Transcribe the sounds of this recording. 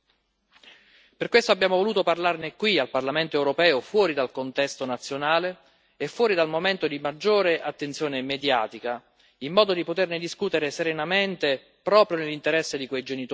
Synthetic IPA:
perkwest̪oabːjaːmovoluːt̪oparlarnekwialparlament̪oɛwɾopɛːofwɔːɾid̪alkont̪ɛst̪onat̪sːjonaːleː | fːwɔːɾid̪almoment̪od̪imad͡ʒːoːɾeʔat̪ːent̪sjoːnemed̪jaːt̪ika | imːɔːd̪od̪ipot̪erned̪iskuːt̪eɾeseɾenament̪e | pɾɔːpɾjonelːint̪eɾɛsːed̪ikwejd͡ʒenit̪

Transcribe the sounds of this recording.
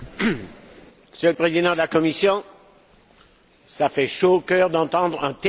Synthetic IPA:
məsjøləpχezid̪ɑ̃d̪əlakɔmisjɔ̃ | safɛʃoːkœːʁd̪ɑ̃t̪ɑ̃d̪ʁɛ̃t̪

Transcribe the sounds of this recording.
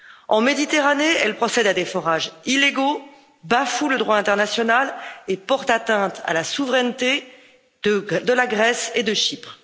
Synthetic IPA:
ɑ̃med̪it̪eʁaneɛlpχɔsɛd̪ad̪efɔʁaʒilːeɡo | bafuləd̪ʁwaɛ̃t̪ɛʁnasjɔnalepɔʁt̪at̪ɛ̃t̪a̰lasuvʁɛnt̪e | d̪əlaɡʁɛsed̪əʃipχ

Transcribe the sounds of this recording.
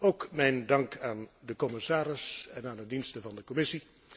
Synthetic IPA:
owkmɛjndɑŋkaːndəkɔmɪsaːɾɪsɛnaːndədinstəvɑndəkɔmɪsi

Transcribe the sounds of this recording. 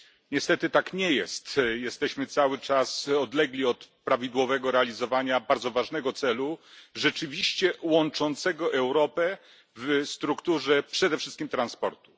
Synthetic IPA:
ɲɛst̪ɛt̪ɘt̪akɲɛjɛst̪jɛst̪ɛɕmɘt̪sawɘt͡ʂasɔd̪lɛɡlʲiɔt̪pɾavʲid̪wɔvɛɡɔɾɛalʲizɔvaɲabaɾd̪zɔvaʐnɛɡɔt̪sɛluʐɛt͡ʂɘvʲiɕt͡ɕɛwɔnt͡ʂɔnt̪sɛɡɔʔɛwɾɔpɛ | vst̪ɾukt̪uʐɛpʂɛd̪ɛfʂɘst̪kʲimt̪ɾanspɔ̰ɾt̪u̥

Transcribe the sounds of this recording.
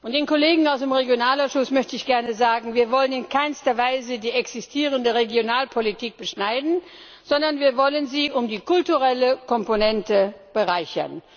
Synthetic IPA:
ʔʊntd̥eːnkʰɔleːɡŋ̩aʊsd̥eːmʁeɡjonaːlaʊsʃʊsmœçtəɪçɡ̥ɛɐnəzaːɡŋ̩viːɐvɔlənɪnkʰaɪnstɐvaɪzədiːɛksɪstʰiːʁəndəʁeɡjonaːlpʰolitʰiːk̚b̥əʃnaɪdn̩ | z̥ɔndɐnviːɐvɔlənziːʔʊmdiːkʰʊltuʁɛləkʰɔmponɛntəb̥əʁaɪçɐ̰n

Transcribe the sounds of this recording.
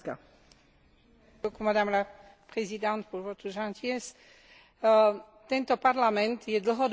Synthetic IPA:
ka̰ | okumad̪amla | pχezid̪ɑ̃nt̪̚puɾvot̪ɾuʒɑ̃t̪ʰiɛs | t̪ɛ̃nt̪opaʁlamɛ̃nt̪jɛd̪lɦɔd̪

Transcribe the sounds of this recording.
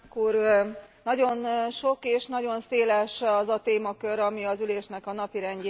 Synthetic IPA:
kuːrnɒɟo̞nʃo̞keːʃnɒɟo̞nseːlɛʃɒzɒt̪eːmɒkø̞ɾɒmiɒzyleːʃnɛkɒnɒpiɾɛnɟ

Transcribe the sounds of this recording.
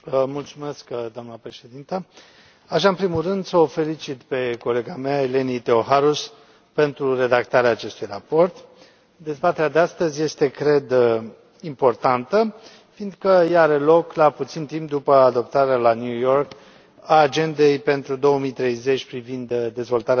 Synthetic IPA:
mult̪sume̞skd̪oamnəpɾe̞ʃe̞d̪int̪ə | aʃ̬aɨnpɾimulrɨnd̪səofe̞lit͡ʃit̪pe̞ko̞le̞ɡameaele̞nit̪eoɦaɾus | pe̞nt̪ɾure̞d̪akt̪aɾeaːt͡ʃe̞st̪ujrapo̞rt̪ | d̪e̞zbat̪e̞ɾad̪east̪əzʲje̞st̪e̞kɾe̞d̪ | impo̞rt̪ant̪ə | find̪kəjaɾe̞lo̞klaput̪sint̪imp̚d̪upəad̪o̞p̚t̪aɾealanjujo̞rk | aːd͡ʒe̞nd̪e̞jpe̞nt̪ɾud̪o̞wəmijt̪ɾe̞jze̞t͡ʃʲpɾivind̪d̪e̞zvo̞lt̪aɾe

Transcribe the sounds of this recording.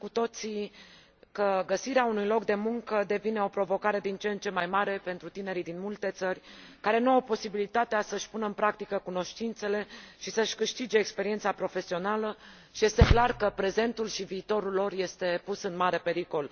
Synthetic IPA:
kut̪o̞t̪si | kəɡəsiɾeaunujlo̞kd̪e̞muŋkəd̪e̞vine̞o̞pɾo̞vo̞kaɾe̞d̪int͡ʃent͡ʃemajmaɾe̞pe̞nt̪ɾut̪ine̞ɾid̪inmult̪e̞t̪sərʲkaɾe̞nuawpo̞sibilit̪at̪easəʃʲpunəɨnpɾak̚t̪ikəkuno̞ʃt̪int̪se̞le̞ʃisəʃʲkɨʃt̪id͡ʒe̞ːkspe̞ɾiet̪sapɾo̞fe̞sio̞nalə | ʃije̞st̪e̞klarkəpɾe̞ze̞nt̪ulʃiviːt̪o̞ɾulːo̞rje̞st̪e̞pusɨnmaɾe̞pe̞ɾiko̞l

